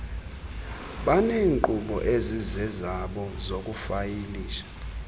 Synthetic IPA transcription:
ɓaneːŋǃuɓɔ̰ʔezizɛzaɓɔzok̬ʼufajiliːʃḁ

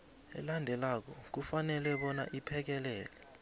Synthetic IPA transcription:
ɛ̰landʱɛlak̬ɔk̬ufanɛlɛɓɔna̰ʔipʰɛk̬ɛlɛːlɛ

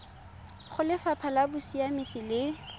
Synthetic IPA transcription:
χʊlɪfapʰalabʊsiamisɪlɪ

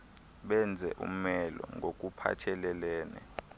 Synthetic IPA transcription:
ɓɛnd͡zʱɛʔṵm̩mɛlɔŋɡʱok̬ʼupʰa̰t͡ʃʰɛlɛlɛːnɛ

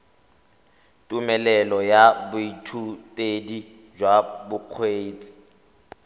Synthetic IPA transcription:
tʼumɛlɛlɔjabʊitʰutʼedi | d͡ʒwabʊq͡χʰweːt͡sʼi̥

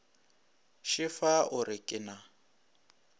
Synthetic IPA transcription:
ʃɪfaʔʊɾɪkʼɪna

